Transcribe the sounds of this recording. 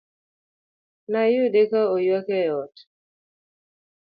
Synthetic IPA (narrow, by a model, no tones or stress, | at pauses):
najudekaojwakɛjɔt